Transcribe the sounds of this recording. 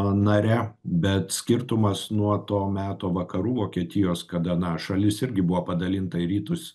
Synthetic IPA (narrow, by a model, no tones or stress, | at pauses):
nɐɾʲɛbʲɛt̪sʲkʲɪɾt̪ʊmɐsnuɔt̪oːmʲæːt̪oːʋɐkɐɾuːʋoːkʲiɛt̪ʲɪjoːskɐd̪ɐnɐʃɐlʲɪsɪɾʲɡʲɪbʊʋoːpɐd̪ɐlʲɪnt̪ɐɪɾʲiːt̪ʊs